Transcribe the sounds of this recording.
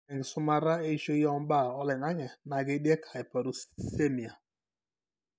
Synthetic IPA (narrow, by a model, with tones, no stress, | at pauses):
ɛ˨ŋ˨sʊ˦ma˦ɾa˦e˦ʃo˦jɔ˦m̩˦ba˦˨ɔ˦lɛ˨na˦ɲɛ˨na˨ɡe˦de˦kʰa˨i˨pa˨ɾu˨se˦mi˨a˨